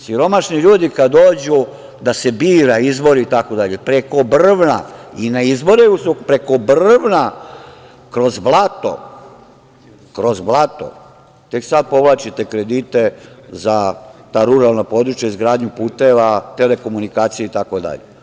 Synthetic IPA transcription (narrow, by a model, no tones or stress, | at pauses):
siɾo̞maʃniʎuːd̪ikad̪oːd͡ʑu | d̪ase̞biːɾaizbo̞ɾiit̪ako̞d̪aʎepɾeko̞br̩ʋna̰inaizbo̞ɾeusupɾe̞ko̞brʋna | kɾo̞zblˠat̪o̞̰ | kɾo̞zblˠat̪o̞̰ | t̪e̞ksad̪̚po̞ʋlˠaːt͡ʃit̪e̞kɾe̞d̪it̪e̞zat̪aɾuɾalˠnapo̞d̪ɾut͡ʃjaizɡɾaːd̪ɲupuːt̪e̞ʋat̪ele̞ko̞munikaːt̪sijeit̪ako̞d̪a̰ʎḛ